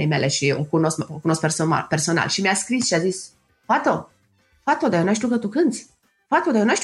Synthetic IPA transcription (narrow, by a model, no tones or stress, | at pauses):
emḛleʃiokunosokunoskpersona̰perso̞na̰lʃimiaskɾisʃiazis | fat̪o | fat̪od̪ajonaʃ̬t̪iukət̪ukɨnt̪sʲ | fat̪od̪ajonaʃt̪